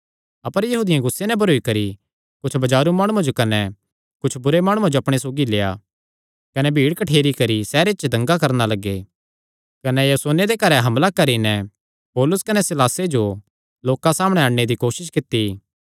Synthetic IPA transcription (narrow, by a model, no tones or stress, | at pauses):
ɐpəɾjɐɦuːd̪ɪjãɡʊsːenɛbʱɐɾoːikɐɾi | kʊt͡ʃʰbɐd͡ʒaːɾumaːɽ̃uãd͡ʒokɐnɛ | kʊt͡ʃʰbʊɾemaːɽ̃ʊãd͡ʒoɐpɽ̃esoːɡileːja̰ | kɐnɛbʱiːɽkɐʈʰeːɾikɐɾisɛːɾet͡ʃd̪ɐ̃ŋɡakɐɾnalɐɡːe | kɐnɛjosoːned̪ekɐɾɛɦɐmlakɐɾinɛ | pɔːlʊskɐnɛsɪlaːsed͡ʒo | loːkãsaːmɽ̃ɛ̃aːɽned̪ikoːʃɪʃkɪt̪ːi